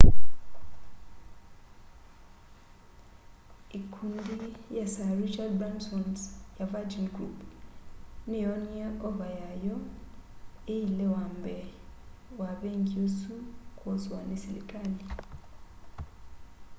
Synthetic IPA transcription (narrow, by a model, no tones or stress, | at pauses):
ikʰundijasarit͡ʃadbansɔnsjavad͡ʒinɡɾṵpʰ | nɛjɔniaɔvajajɔ | ejilɛwambɛ | waβeŋɡiosukʼɔzwanesilɛ̰kʼali